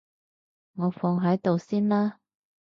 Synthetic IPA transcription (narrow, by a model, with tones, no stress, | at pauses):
ŋɔː˨˧fɔ˨˧ŋɦɐ˨˥jt̪o˨wsiː˥nlaː˥